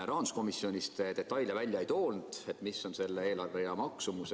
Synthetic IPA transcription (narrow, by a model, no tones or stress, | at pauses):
ɾɑːnusko̞misio̞nʲist̪ed̪e̞t̪ːˑɑjljɑvælʲjɑejt̪o̞ːlnd̪̥e̞t̪misːo̞nse̞lːee̞ːlɑrve̞jɑmɑksumuse